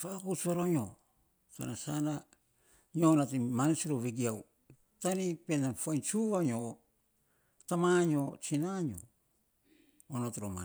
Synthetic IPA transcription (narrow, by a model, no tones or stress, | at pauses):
fakut͡ʃaɾoɲo | ta̰nasana | ɲonatimanit͡ʃiɾoβeɡiaw | tanipenafuajnt͡ʃuβaɲo | tamaɲot͡ʃinaɲo̰ | onotɾoma̰